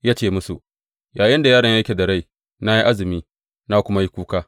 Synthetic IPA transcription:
jaː˦t͡ʃeː˦˨mʊ˦su˨ | jaː˨jɪ˦nda˨jaː˦ɽɐ˨˦ɲja˦kʲe˨dɐ˨ɽa˦j | na˦ji˦ʔa˦zɪ˨miː˦ | na˦kʷʊ˦ma˦ji˦kʷuː˦kaː˦

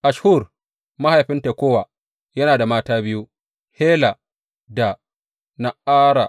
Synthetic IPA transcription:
ʔa˨ʃhuː˦˨r | ma˦ha˨jɸɪ˦nte˨kʷoː˦wa˨ | jɐ˦naː˨da˨maː˦taː˦bɪ˦ju˦ | heː˦la˨ | da˨ | na˨aː˦ɾa˨

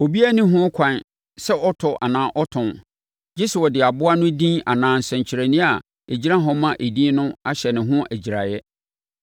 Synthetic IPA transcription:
o˨bi˦æ˦nĩ˦ɦʊ̃˦kʷʰã˨n | sɛ˦ʔɔ˦tʰɔ˨ʔa̰˨nãː˨˦ʔɔ˦tʰʊ̃˨n | d͡ʑɪ˦sʊ˨wɔ˨dɪ˨a˨bʊ˦a˦nʊ̃˦dĩ˦a˨nãː˨n̩˨sɛ̃˨ɲt͡ɕʰɾæ˨nĩ˦a˨ | e˨d͡ʑi˦ɾã˦ɦɔ˦mã˦ʔe˨dĩ˦nʊ̃˦a˦ɕɛ˨nɪ̃˨ɦʊ̃˦ʔæ˨d͡ʑi˨ɾa˨jɛ˦

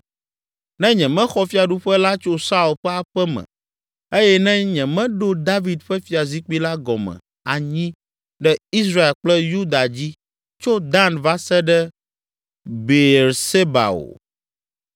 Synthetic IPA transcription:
nɛ̃˦ɲɛ̃˨mɛ̃˦xɔ˦fi˦a˨ɖu˦ɸɛ˦la˦t͡ʃo˦sa˦u˨lɸɛ˦a˨ɸɛ˦mɛ̰̃˨ | e˦jɛ˦nɛ̃˦ɲɛ̃˨mɛ̃˦ɖo˦d̪a˦vi˨d̪ɸɛ˦fi˦a˨zi˦k͡pi˦la˦ɡɔ˨mɛ̰̃˨ | a˨ɲĩ˦ | ɖɛ˦i˦s̬ɾa˦e˨k͡plɛ˦ju˦d̪a˨d͡ʑi˦ | t͡ʃo˦d̪a˦nva˦sɛ˦ɖɛ˦ | be˨ɾse˦ba̰˨o̰˨

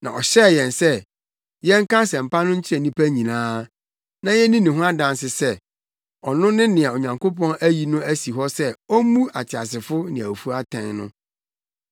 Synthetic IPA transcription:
nã˨ɔ˨ɕɛ˦˨jɛ̃˨nsɛ˦ | jɛ̃˦ŋ˦kã˦sɛ̃˨m̩˨pa˦nʊ̃˦ɲ̩˦t͡ɕʰɪ˦ɾɛ˨nĩ˦pʰæ˦ɲĩ˨nãː˦ | nã˨jɛ˦nĩ˦nĩ˨ɦʊ̃˦a˦dã˨nsɪ˨sɛ˦ | ɔ˨nʊ̃˦nɪ̃˦nɪ̃˨a˨o˨ɲã˨ŋkʰo˦pʰɔ̃˦næ˦ji˨nʊ̃˦æ˦si˨ɦɔ˦sɛ˦ɔ˦mũ˦ʔa˨t͡ɕʰɪ˨a˨s̬ɪ˨fʊ˦nɪ̃˨æ˨fu˦a˦tʰɛ̃˨nnʊ̰̃˦

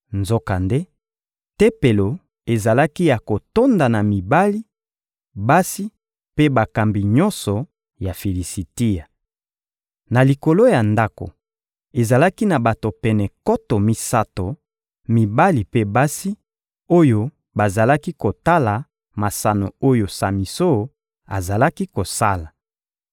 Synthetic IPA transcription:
nzo˦ka˨nde˦ | te˦pe˨lo˨ | e˨za˨la˦ki˦ja˨ko˨to˦nda˨na˨mi˨ba˦li˦ | ba˦si˦ | pe˦ba˨ka˨mbi˨ɲɔ˦nsɔ˨ | ja˨fi˨li˨si˨ti˦ja˨ | na˨li˨ko˨lo˦ja˨nda˦ko̰˨ | e˨za˨la˦ki˦na˨ba˨to˨pɛ˨nɛ˨kɔ˦to˨mi˦sa˦to˨ | mi˨ba˦li˨pe˦ba˦si˦ | o˦jo˦ | ba˨za˨la˦ki˦ko˨ta˦la˨ | ma˨sa˨no̰˨o˦jo˨sa˨mi˨so˦˨ | a̰˨za˨la˦ki˦ko˨sa̰˦la˨

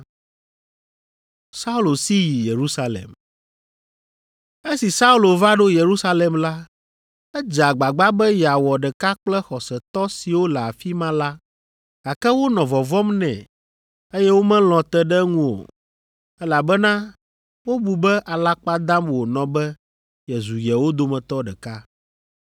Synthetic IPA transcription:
sa˦u˦lo˨si˦ji˨je˨ɾu˦sa˦lɛ̰˨m | e˦si˨sa˦u˦lo˨va˦ɖo˦je˨ɾu˦sa˦lɛ˨mla˦ | ɛ˦d͡ʒa˨ɡ͡ba˨ɡ͡ba˦bɛ˦ja˨wɔ˨ɖɛ˨ka˦k͡plɛ˦xɔ˨sɛ˨t̪ɔ˦si˨wo˦lɛ˨a˨fi˦mã˦la˦ | ɡ̥a˨kɛ˦wo˦nɔ̃˨vɔ˨vɔ˦mnɛ̰̃˨ | e˦jɛ˦wo˦mɛ̃˦l̃ɔ̃˨t̪ɛ˦ɖɛ˦ŋũ˦o̰˨ | ɛ˦la˨bɛ˦nã˦ | wo˦bu˨bɛ˦ʔa˨la˦k͡pa˦d̪ã˦mwo˨nɔ̃˨bɛ˦ | jɛ˨zu˨jɛ˨wo˦d̪o˨mɛ̃˨t̪ɔ˦ɖɛ˨ka˦

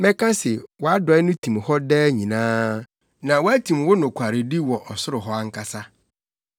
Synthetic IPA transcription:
mɛ̃˦kʰa˦sɛ˨wɔ˨a˦dɔ˨˦ɛ˦nʊ̃˦tʰĩ˨mhɔ˦dɛː˦ɲĩ˨nãː˦ | nã˨wɔ˦æ˦tʰĩ˨mwʊ˦nʊ̃˨kʷʰa˨ɾɪ˨di˦wɔ˨ʔɔ˨sʊ˦ɾʊ˨ɦɔ˦a˦ŋ̩˦kʰa˦sa˦

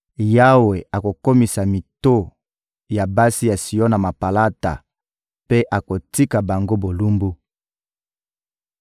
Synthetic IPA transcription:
ja˦we˨a˨ko˨ko˦mi˨sa˨mi˨to˦ | ja˨ba˦si˦ja˨si˨ɔ˦na˨ma˨pa˨la˦ta̰˨ | pe˦ʔa˨ko˨ti˦ka˨ba˨ŋɡo˦bo˨lu˦mbu˦

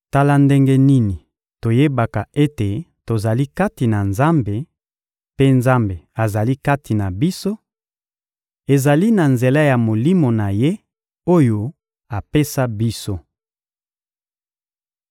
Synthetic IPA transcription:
ta˦la˦nde˦ŋɡe˦ni˦ni˨ | to˨je˦ba˨ka˨e˦te˨to˨za˨li˦ka˦ti˨na˨nza˦mbe˨ | pe˦nza˦mbe˨a˨za˨li˦ka˦ti˨na˨bi˦so˦ | e˨za˨li˦na˨nze˨la˦ja˨mo˨li˦mo˨na˨je˦ | o˦jo˦ | a˨pe˦sa˦bi˦so˦

